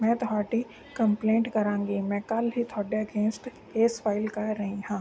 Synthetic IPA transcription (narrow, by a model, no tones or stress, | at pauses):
mɛ̃ːt̪ʊɦaːʈi | kɐ̃mplẽːɳʈkɐɾãːŋɡimɛ̃ːkɐlɦit̪ʰɔːɖeɐɡẽːnsʈ | eːsfaːɪlkɐɾɐɦĩɦãː